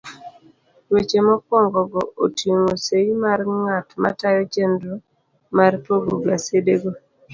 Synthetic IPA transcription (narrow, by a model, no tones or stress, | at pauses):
wet͡ʃemɔkwɔŋɡɔɡɔotjeŋoseimarŋatma̰tajɔt͡ʃendo | marpoɡoɡasedeɡo